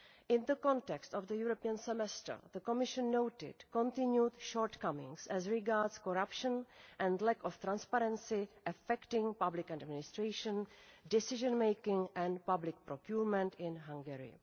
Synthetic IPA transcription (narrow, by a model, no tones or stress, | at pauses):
ʔɪ̃nðəkɔ̃ntɛkst̪ɔvðəjuɾopiə̃nsɛmɛstə̰˞ðəkomɪʃə̃nːowtɪ̰d̥kõntɪ̃njutʃoːɹt̪kamɪ̰̃ŋsɛzɹɪɡaɹdskoɾapʃənʔɛ̃ndlɛkɔft̪ɾãnspaɾɛ̃nsɪʔɛfɛktɪ̃ŋpablɪkadmɪnɪst̪ɾeɪʃə̃ndɪsɪʒə̃nmejkɪ̃ŋʔɛ̃npablɪk̚pɾokjuːɹmɛ̃ntɪ̃nɦãŋɡɛɹɪ̰